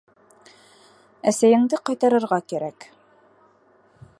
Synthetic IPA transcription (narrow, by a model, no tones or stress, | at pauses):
æsæjɘ̆ŋd̪ɘqɑjt̪ɑɾɤ̆ɾʁɑkæɾæk